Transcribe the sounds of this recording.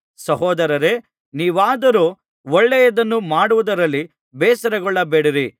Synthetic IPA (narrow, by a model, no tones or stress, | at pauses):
sɐɦɔːd̪ɐɾɐɾe | niːʋaːd̪ɐɾuː | ɔɭːɛjɐd̪ɐnːumaːɽuʋud̪ɐɾɐlːi | bɛːsɐɾɐɡɔɭːɐbeːɽiɾi